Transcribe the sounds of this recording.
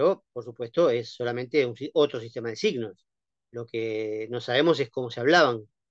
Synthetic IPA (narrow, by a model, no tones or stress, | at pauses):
opoɾsupwe̞st̪o̞esːo̞lamẽ̞nt̪eunsio̞t̪ɾo̞sist̪e̞mað̞e̞siɣnos | lo̞keno̞saβe̞mo̞se̞sko̞mo̞seaβ̞laβaŋ